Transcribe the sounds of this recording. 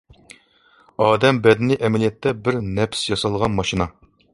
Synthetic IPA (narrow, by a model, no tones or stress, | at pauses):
ɑːd̪ɛmbɛd̪ɪnɪʔɛmɛlijɛt̪ʰːɛbɪɾnɛpsjɑsɑlˠʁɑnmɑʃinɑ